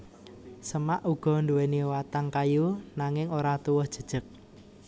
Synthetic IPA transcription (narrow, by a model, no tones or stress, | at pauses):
səmaʔuɡ̥ɔ̤nduweniwat̪aŋkajunaŋɪŋoɾat̪uwəhd̥ʒ̥ə̤d̥ʒ̥ə̤k̚